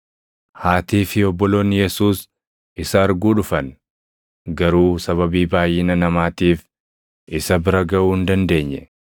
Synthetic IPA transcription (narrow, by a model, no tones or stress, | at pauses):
haːt̪iːfɪɔbːɔlo̞ːnjɛsuːs | ɪsɐːɾɡuːᶑʊfɐn | ɡɐɾuːsɐβɐbiːbaːjːɪnɐnɐmaːt̪iːf | ʔɪsɐbɪɾɐɡɐʔuːhɪnd̪ɐnd̪e̞ːɲːɛ